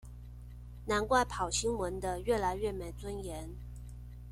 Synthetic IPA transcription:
na˧˥nkwa˥˩ɪpʰɑ˨˩ʊɕi˥ŋwə˧˥nd̪ə˧ɥɛ˥˩la˧˥ɪɥɛ˥˩me˨˩ɪt͡swə˥njɛ˧˥n

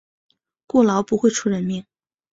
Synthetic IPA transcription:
kwɔ˥˩lɑ˧˥ʊpu˧˥xwe˥˧ɪʈ͡ʂʰu˥˧ɻə˧˥nmi˥˩ŋ

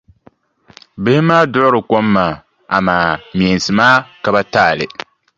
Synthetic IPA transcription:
bɪ˦hɪ˦maː˦dʊ˦ʔʊ˦ɾɨ˨ko˦mːaː˨ | a̰˨maː˨mi˨ɛ˨n˨sɨ˨maː˦ka˨ba˦taː˦˨lɪ˨

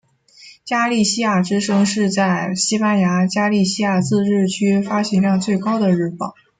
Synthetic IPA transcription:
t͡ɕja˥li˥˩ɕi˥ja˨˩ʈ͡ʂɻ̩˥ʂɤ˥ŋʂɻ̩˥˧t͡sa˥˩ɪɕi˥pa˥nja˧˥t͡ɕja˥li˥˩ɕi˥ja˥˨˩t͡sɹ̩˥˧ɻɻ̩˥˩t͡ɕʰy˥fa˥ɕi˧˥ŋljɑ˥˧ŋt͡swe˥˩ɪkɑ˥ʊd̪ə˨ɻɻ̩˥˩pɑ˥˩˦

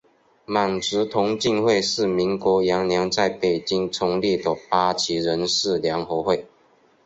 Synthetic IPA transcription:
ma˨˩ŋʈ͡ʂɻ̩˧˥t̪ʰʊ˧˥ŋt͡ɕi˥˧ŋxwe˥˧ɪʂɻ̩˥˩mi˧˥ŋkwɔ˧˥jɑ˧˥ŋljɑ˧˥ŋt͡sa˥˩ɪpe˨˩ɪt͡ɕi˦˥ŋt͡sʰʊ˧˥ŋli˥˩d̪ə˩pa˥t͡ɕʰi˧˥ɻə˧˦nʂɻ̩˥˨ljɑ˧˥ŋxo˧˥xwe˥˩ɪ

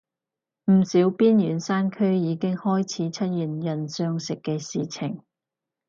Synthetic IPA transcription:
m̩˨˩siː˨˥wpiː˥njyː˨˩nsaː˥nkʰɵ˥jiː˨˧kɪ˥ŋhɔː˥jt͡sʰiː˨˥t͡sʰɐ˥t̚jyː˨˩njɐ˨˩nsœː˧ŋsɪ˨kːɛː˧siː˨t͡sʰɪ˨˩ŋ

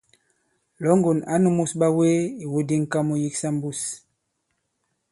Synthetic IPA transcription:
lɔ˨˦ŋɡo˨na˨˦nu˦mu˦sɓa˦we˦i˨wo˦di˦ŋ̩˦˨ka˦mu˦ji˦ksa˦m̩˦bu˦s

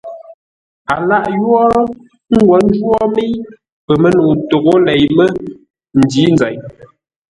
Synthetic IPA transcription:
a˨la˦ʔjwɔ˦ | ŋ̩˦ɡwɔ˨n̩˦d͡ʒwɔ˦me˦j | pə˨mə˦no˨to˨ɣo˦lɛ˨jmə˦ | n̩˨di˨˦n˦za˨ɲ

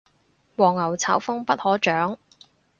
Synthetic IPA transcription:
wɔː˨˩ŋːɐ˨˩wt͡sʰaː˨˥wfʊ˥ŋpɐ˥t̚hɔː˨˥t͡ʃœː˨˥ŋ

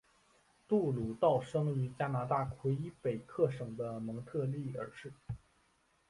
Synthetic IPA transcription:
t̪u˥˩lu˨˩t̪ɑ˥˩ʊʂɤ˥ŋy˧˥t͡ɕja˥na˧˥t̪a˥˩kʰwe˧˥ɪi˥pe˨˩ɪkʰɤ˥˩ʂɤ˨˩ŋd̪ə˦mɤ˧˥ŋt̪ʰɤ˥˧li˥˩ə̰˞˨˧˩ʂɻ̩˥˩

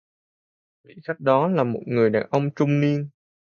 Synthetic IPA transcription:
vḭ˧˨xa˦˥jk̟̚ɗɔ˨˦laː˨˩mo˨˩t̚ŋɨ˨˩əjɗa̰ː˨˩nʔə˧wŋ͡mt͡ɕʊ˧ŋ͡mni˧ən

